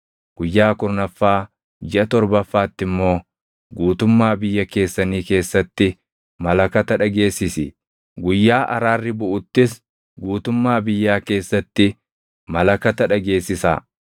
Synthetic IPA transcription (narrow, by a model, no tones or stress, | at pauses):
ɡ̥ʊjːaːkʊɾnɐfːaː | d͡ʒɪʔɐt̪ɔɾbɐfːaːt̪ːɪmːo̞ː | ɡuːt̪ʊmːaːbɪjːɐke̞ːsːɐniːke̞ːsːɐt̪ːɪ | mɐlɐkɐt̪ɐᶑɐɡe̞ːsːɪsɪ̰ | ɡʊjːaːʔɐɾaːrːɪbʊʔʊt̪ːɪs | ɡuːt̪ʊmːaːbɪjːaːke̞ːsːɐt̪ːɪ | mɐlɐkɐt̪ɐᶑɐɡe̞ːsːɪsa̰ː